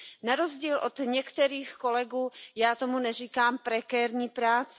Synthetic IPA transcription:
naɾozɟiːlʔot̪ɲɛkt̪ɛɾiːxko̞lɛɡuːjaːt̪o̞munɛriːkaːmpɾɛkɛːɾɲiːpɾaːt͡s

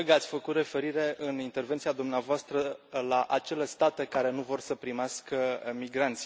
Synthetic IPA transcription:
ɡat̪sʲfəkut̪re̞fe̞ɾiɾe̞ʔɨnint̪e̞rvent̪siad̪umneavoast̪ɾəlaʔat͡ʃe̞lest̪at̪ekaɾe̞nuvo̞rsəpɾimeaskəmiɡɾant̪sʲ

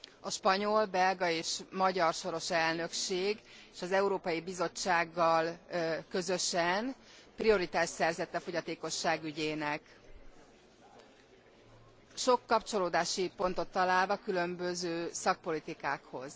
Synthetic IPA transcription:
ɒʃpɒɲo̞lbɛlɡɒeːʃmɒɟɒrʃo̞ɾo̞ʃɛlnø̞kʃeːɡeːʃɒzɛuɾoːpɒjibizo̞t͡ʃːaːɡːɒlkø̞zø̞ʃɛn | prio̞ɾit̪aːʃsɛrzɛt̪ːɛfo̞ɟɒt̪eːko̞ʃːaːɡyɟeːnɛk | ʃo̞kːɒpt͡ʃo̞loːd̪aːʃipo̞n̪t̪o̞t̪ːɒlaːlvɒkylø̞mbøzøːsɒk̚po̞lit̪ikaːkho̞̰z̥

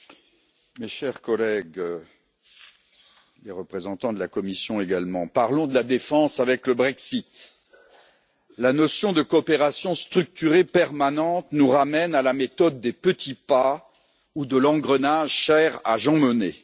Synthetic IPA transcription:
meʃɛʁkɔlɛɡ | leʁəpχezɑ̃t̪ɑ̃d̪əlakɔmisjɔ̃eɡalmɑ̃paʁlɔ̃d̪əlad̪efɑ̃savɛkləbʁɛksit̪ | lanɔsjɔ̃d̪əkoːpeʁasjɔ̃st̪χyk̚t̪yʁepɛʁmanɑ̃t̪nuʁamɛnalamet̪ɔd̪ːepət̪ʰipa | ud̪əlɑ̃ɡʁənaʒʃɛʁa̰ʒɑ̃məne

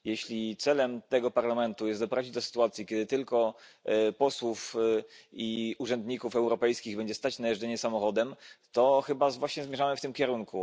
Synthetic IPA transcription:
jɛɕlʲit̪sɛlɛmt̪ɛɡɔpaɾlamɛnt̪ujɛst̪d̪ɔpɾavd͡ʑid͡ʑʲd̪ɔsɘ̥t̪uat̪sʲjikʲɛd̪ɘt̪ɘlkɔ | pɔswuf | iuʐɛnd̪ɲikufɛwɾɔpɛjskʲiɣbɛɲd͡ʑɛst̪at͡ɕnajɛʐd͡zɛɲɛsamɔxɔd̪ɛmt̪ɔxɘbazvwaɕɲɛzmʲjɛʐamɘft̪ɘmkʲɛɾuŋku

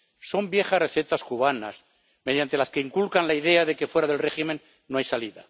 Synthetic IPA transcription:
so̞mbje̞xasre̞θe̞t̪askuβ̞ana̰s | me̞ð̞jant̪e̞laske̞iŋkulkanlaiðe̞aðe̞ke̞fwe̞ɾaðe̞lre̞ximẽnː | oajsaliða

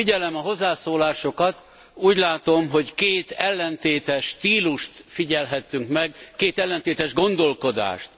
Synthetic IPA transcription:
iɟɛlɛmɒɦo̞zːaːsoːlaːʃo̞kɒt̪ | uːɟlaːt̪o̞mɦo̞ɟkeːt̪ɛlːɛnt̪eːt̪ɛʃːt̪iːluʃt̪fiɟɛlɦɛt̪ːyŋkmɛɡkeːt̪ɛlːɛnt̪eːt̪ɛʒɡo̞nd̪o̞lko̞d̪a̰ːʃt̪

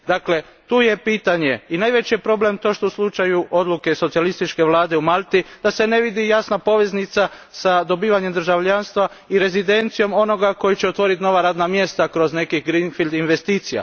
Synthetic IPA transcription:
d̪akle̞ | t̪uːjepiːt̪aɲe̞inaːjʋe̞t͡ɕijepɾo̞ble̞mt̪o̞ːʃt̪oslˠut͡ʃajuʔo̞d̪luke̞so̞t̪sialist̪it͡ʃke̞ʋlˠaːd̪e̞umalt̪id̪̥ase̞ne̞ʋid̪ijasnapo̞ʋe̞znit̪sasad̪o̞biːʋaɲemd̪ɾ̩ʒaʋʎanst̪ʋa | iɾe̞zid̪e̞nt̪sijo̞mo̞no̞ɡako̞jit͡ɕeot̪ʋo̞ɾit̪no̞ʋaɾaːd̪namje̞st̪akɾo̞zne̞kixɡɾinfild̪inʋe̞st̪iːt̪sija̰

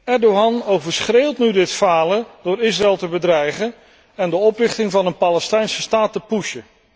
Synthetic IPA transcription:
ɛɹdoɦɑnowvəɹsχreːlˠtnydɪtfaːləd̥ʊːɹɪs̬raɛlˠtəbədrɛjχən | ɛndəɔprɪχtɪŋvɑnənpaləstɛjnsəstaːtəpuʃə

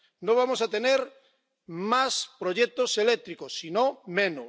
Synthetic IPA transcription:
nõβamosat̪eneɾ | maspɾoʎɛk̚t̪oselek̚t̪ɾikosːinõmẽno

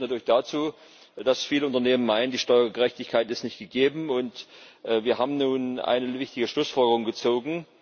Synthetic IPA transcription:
natʰyːɐlɪçd̥aːt͡suː | d̥asfiːləʊntɐneːmənmaɪnəndiːʃtɔʏɐɡəʁɛçtɪçkʰaɪtɪstnɪçtɡ̥əɡeːbm̩ʊntʔviːɐɦaːbm̩nuːnʔa̰ɪnəvɪçtɪɡəʃlʊsfɔlɡəʁʊŋɡət͡soːɡŋ̩

